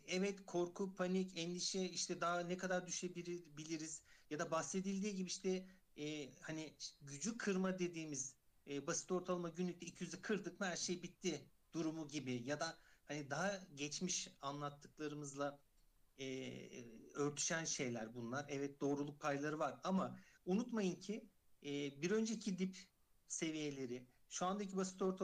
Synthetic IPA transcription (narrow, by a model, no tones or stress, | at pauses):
ɛvɛt̪kʰo̞ɾkʰupʰanicʰɛnd̪ʲiʃɛiʃt̪ʰɛd̪aɦanɛkʰad̪aɾd̪yʃebiɾbilʲiɾiz̥jad̪abase̞d̪ilʲd̪iːɟibiiʃt̪ʰɛː | haniɟyd͡ʒykʰɯɾmad̪e̞d̪iːmiz̥basi̥t̪o̞ɾt̪ʰalˠamaɟynːʲyct̪ɛicʰijyzɛkʰɯɾd̪ɯkhæɾʃejbit̪ʰːid̪̥uɾumuɟibɪjad̪ahanid̪aɦaɟɛt͡ʃmiʃanlˠat̪ʰːɯklˠaɾɯmɯzlˠa | ɛː | ø̞ɾt̪ʰy̥ʃænʃe̞jlʲæɾbunlˠaɾɛvɛt̪̚d̪o̞ːɾulˠuk̚pʰajlˠaɾɯvaɾamaunut̪majɯncʰɪ | ɛːbiɾø̞nd͡ʒeicʰid̪ip | se̞vije̞lʲe̞ɾɪ | ʃuand̪aic̬ʰibasi̥t̪ʰo̞ɾt̪ʰa